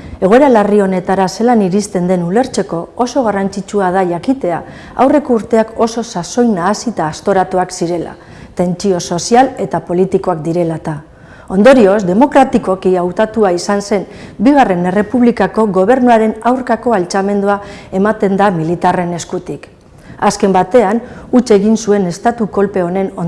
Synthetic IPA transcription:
e̞ɣo̞e̞ɾalario̞ne̞t̪aɾase̞laniɾist̪e̞nd̪e̞nule̞ɾt͡se̞ko̞ːso̞ɣ̞arant͡sit͡ʃuað̞aʝakit̪e̞a | a̰wre̞kouɾt̪e̞ako̞so̞saso̞jnaːsit̪aːst̪o̞ɾat̪uaksiɾe̞la̰ | t̪e̞nt͡sio̞so̞siale̞t̪apo̞lit̪iko̞ak̚d̪iɾe̞lat̪a | o̞nd̪o̞ɾio̞zd̪e̞mo̞kɾat̪iko̞kiawt̪at̪uaisanse̞n | biɣ̞are̞ne̞re̞puβlikako̞ɣo̞β̞e̞ɾnuaɾe̞nawɾkako̞alt͡same̞nd̪uae̞mat̪e̞nd̪amilit̪are̞ne̞skut̪ik | aske̞mbat̪e̞anut͡ʃe̞ɣinsue̞ne̞st̪at̪uko̞lpe̞o̞ne̞no

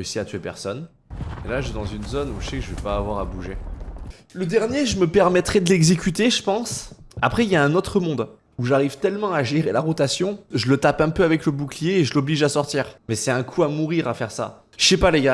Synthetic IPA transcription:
eysiat̪ɥepɛ̰ʁsɔn | elaʒɛd̪ɑ̃zynzonuʒsɛkʒəvɛpaːvwaʁabuʒe | ləd̪ɛʁnjeʒəməpɛʁmɛt̪χɛd̪əlɛɡzekʲyt̪eʒəpɑ̃sa̰pχɛiljaɛ̃not̪χəmɔ̃d̪ | uʒaʁivt̪ɛlmɑ̃aʒeʁelaʁɔt̪asjɔ̃ʒələt̪apɛ̃pøavɛkləbuklijeːʒəlɔbliʒasɔʁt̪iːʁmɛsɛt̪ɛ̃kʰuamuʁiʁafɛʁsa̰ | ʃɛpaleɡa

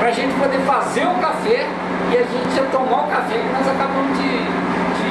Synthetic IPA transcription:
pɾɐʒẽnt͡ʃɪ̥pod̪efazeɾʊkafɛ | ɪaʒẽnt͡ʃɪʒat̪omaʊkafɛkɪnɔzakabɐ̃mʊzd͡ʒɪ | d͡ʒɪ

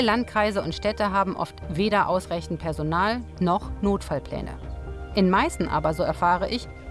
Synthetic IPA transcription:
əlant̚kʁ̥aɪzəʊntʃtɛtəɦaːbm̩ʔɔ̰ftv̥eːɾɐʔaʊsʁaɪçn̩t̚pʰɛɐzonaːlnɔχnoːtfalpl̥ɛ̰ːnə̰ʔɪnmaɪstn̩ʔa̰ːbɐzoːɛɐfaːʁ̞əʔɪç

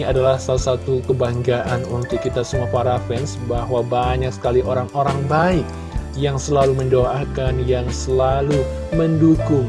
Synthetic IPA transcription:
adalahsalasat̪ukəbaŋɡaʔanunt̪ʊkːit̪asəmuafaɾafɛnsbahwabaɲak̚sə̥kaliʔoɾaŋoɾaŋbaɪk̚ | jaŋsəlaluməndoʔakanjaŋsəlalu | məndukʊŋ

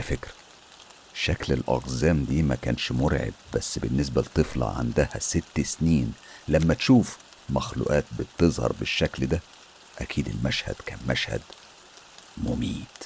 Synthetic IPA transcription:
ʔlæfekɾæ̥ | ʃæklelʔɑ̰ɣzæːmd̪iːmækæ̰ːnʃmoɾʕḛb̚bæsːbɪnːes̬bælt̪ˤːɨflɑ̰ʕa̰nd̪æhæ̰set̪ːsniːnlæmːæt̪ʃuːf | mæxlṵːʔæːt̪̚bɪt̪ːezˤhɑ̰ɾˤbɪʃːækld̪æ | ʔækʰiːd̪ḛlmæʃhæ̰d̪̥kæ̰ːnmæʃhæ̰d̪ | momiːt̪

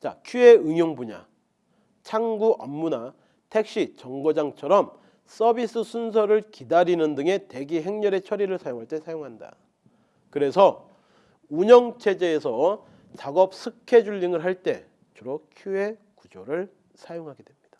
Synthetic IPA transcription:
t͡ɕa̰kʰjue̞ɯŋjoŋbuɲa̰ | t͡ɕʰaŋɡuʔʌmːuna | tʰe̞k̚ɕ͈it͡ɕʌŋɡod͡ʑaŋt͡ɕʰʌɾʌm | s͈ʌbis͈ɯsʰunsʰʌɾɯɭkidaɾinɯndɯŋe̞te̞ɡiɦe̞ŋɲʌɾe̞t͡ɕʰʌɾiɾɯɭsʰajoŋɦaɭt͈e̞sʰajoŋɦanda̰ | kɯɾe̞sʰʌ | uɲʌŋt͡ɕʰe̞d͡ʑe̞ːsʰʌ | t͡ɕaɡʌp̚sʰɯkʰe̞d͡ʑuʎːiŋɯɭɦaɭt͈e̞ | t͡ɕuɾokʰjue̞ | kud͡ʑoɾɯɭ | sʰajoŋɦaɡe̞dwe̞mɲid̥ḁ

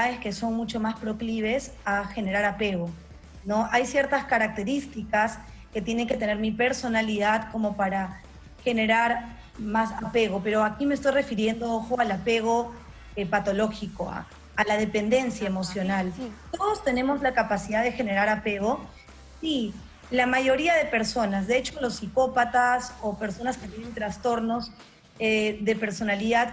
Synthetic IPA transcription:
aeske̞so̞nmut͡ʃo̞maspɾo̞kliβ̞e̞saxe̞ne̞ɾaɾape̞ɣo̞ | no̞ʔajsje̞ɾt̪askaɾak̚t̪e̞ɾist̪ikas | ke̞t̪je̞ne̞ŋke̞t̪e̞ne̞ɾmipe̞ɾso̞naliðaðko̞mo̞paɾa | xe̞ne̞ɾaɾ | masape̞ɣo̞pe̞ɾo̞akimest̪ojre̞fiɾje̞nd̪o̞oxoalape̞ɣ̞o̞ | epat̪o̞lo̞xikoa̰ | alaðe̞pe̞nd̪e̞nsjaemo̞sjo̞nalt̪o̞ð̞o̞st̪e̞ne̞mo̞zlakapasiðaðe̞xe̞ne̞ɾaɾape̞ɣo̞ | si | lamaʝo̞ɾiaðe̞pe̞ɾso̞nazðe̞et͡ʃo̞lo̞sːiko̞pat̪aso̞pe̞ɾso̞nasket̪je̞ne̞nt̪ɾast̪o̞ɾno̞z | eðe̞pe̞ɾso̞naliðað

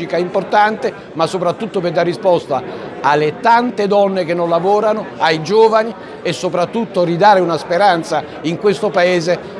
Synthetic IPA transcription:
ikaimport̪ant̪e | masːopɾat̪ːut̪ːoperd̪arːispɔst̪aalːet̪ant̪ed̪ɔnːekenːonlavɔːɾanʊajd͡ʒoːvani | esːopɾat̪ːut̪ːoɾid̪aːɾeunaspeɾant̪sa | iŋkwest̪opaeːze

